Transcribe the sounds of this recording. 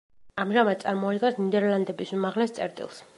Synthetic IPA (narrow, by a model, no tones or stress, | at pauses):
amʒamad̪̚sʼaɾmɔad̪ɡansnid̪ɛɾland̪ɛbisumaʁlɛst̪sʼɛ̰ɾt̪ʼḭlˠs